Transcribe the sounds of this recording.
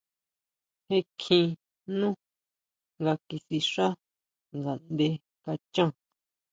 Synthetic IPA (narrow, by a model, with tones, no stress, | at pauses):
he˧kʰĩ˧ | nũ˦ | ŋɡa˧ki˧si˧ʂa˦ | ŋɡa˨nd̪e˧ | ka˧t͡ʃã˦˨